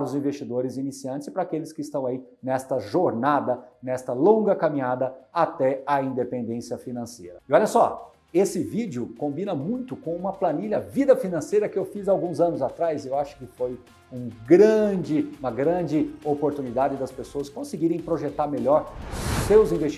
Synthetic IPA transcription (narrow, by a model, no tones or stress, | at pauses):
ɾʊzĩvest͡ʃid̪oɾɪzinisiɐ̃nt͡ʃ̪ɪspɾɐakelɪskɪɪst̪ɐ̃w̃ai | nɛst̪ɐʒoɾnad̪ɐnɛst̪ɐlõɡɐkamĩɲad̪ɐat̪ɛɐĩd̪epẽnd̪ẽsiɐfinɐ̃sejɾɐɪɔʎɐsɔ | esɪvid͡ʒɪʊkõmbinɐmũj̃t̪ʊkõũmɐplɐniʎɐvid̪ɐfinɐ̃sejɾɐkɪewfizawɡũzɐ̃nʊzat̪ɾazɪewaʃʊ̥kɪfoj | ũɡɾɐ̃d͡ʒɪũmɐɡɾɐ̃d͡ʒɪopoɾt̪unid̪ad͡ʒɪd̪ɐspesoɐskõsɪɡiɾẽj̃pɾoʒet̪aɾmeʎɔɾʊsewzĩvest͡ʃ